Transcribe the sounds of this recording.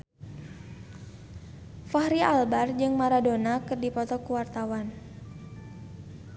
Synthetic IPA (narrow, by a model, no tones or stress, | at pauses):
fahɾialbard͡ʒɨŋmaɾadonakɨrdipɔt̪ɔkuwart̪awan